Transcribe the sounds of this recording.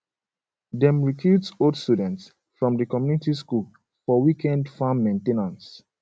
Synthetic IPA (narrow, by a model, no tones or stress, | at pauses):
dɛ̃mɹikʰutsodstudɛ̃nts | fɹɔ̃mdəkɔmjunitiskul | fɔwikɛ̃ndfãmːẽntenãns